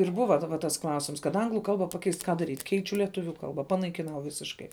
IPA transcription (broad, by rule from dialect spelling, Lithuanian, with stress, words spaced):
ɪr ˈbʊʋɐ dɐˈbɐ tɐs ˈklˠɐʊsʲɪms kɐt ˈɐŋɡlˠʊ ˈkɐlˠbɐ pɐˈkʲɛɪst ˈkɑː ˈdɑːrʲiːtʲ ˈkʲɛɪt͡ʃʲʊ lʲiɛˈtʊʋʲʊ ˈkɐlˠbɐ pɐnɐɪkʲɪˈnɐʊ ˈʋʲɪsʲɪʃkɐɪ